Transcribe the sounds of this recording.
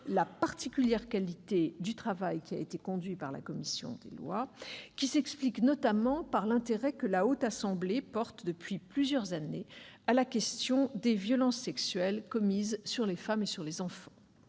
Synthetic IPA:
lapaʁt̪ikʲyljɛʁkalit̪ed̪yt̪χavajkʲiaet̪ekɔ̃d̪ɥipaʁla̰kɔmisjɔ̰̃d̪ḛlwa̰kʲisɛkspliknɔt̪amɑ̃paʁlɛ̃t̪eʁɛkəlaot̪asɑ̃blepɔʁt̪d̪əpɥiplyzjœʁzanealakʲɛst̪jɔ̃d̪evjɔlɑ̃sːɛksɥɛlkɔmizsyʁlefamesyʁlezɑ̃fɑ̃

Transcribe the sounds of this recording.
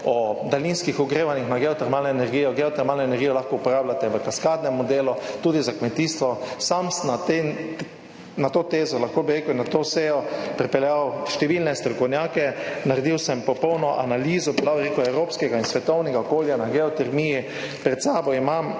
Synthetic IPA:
ɔd̪alinskixɔɡɾeːʋanixnaɡɛɔt̪ɛɾmaːlnɔɛnɛɾɡiːjɔɡɛɔt̪ɛɾmaːlnɔɛnɛɾɡijɔlaxkɔupɔɾaːblat̪ɛʋəkaskaːd̪nɛmɔd̪eːlɔt̪uːd̪izakmɛt̪iːst̪ʋɔsamsnat̪e | nat̪oːt̪eːzɔlaxkoːbiɾeːkunat̪oːseːjɔpɾɛpɛljawʃt̪ɛʋilnɛst̪ɾɔkɔwnjaːkɛnaɾɛd̪iwsɛmpɔpɔwnɔʔanaliːzɔbilawɾekɔɛwɾoːpskɛɡainsʋɛt̪ɔwnɛɡaɔkoːljanaɡɛɔt̪ɛɾmiji | pɾɛt̪saːbɔimam

